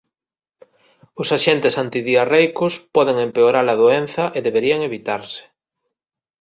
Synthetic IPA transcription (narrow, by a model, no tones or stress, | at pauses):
ʊsaʃent̪ɪsant̪iðiarejkʊspɔðeŋempeoɾalaðoen̟θɐʔeðeβeɾiɐŋeβit̪aɾsɪ̥